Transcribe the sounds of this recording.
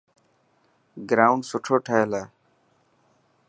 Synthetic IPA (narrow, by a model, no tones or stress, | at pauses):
ɡɾaːʊɳɖsʊʈʰoːʈʰəeːlaː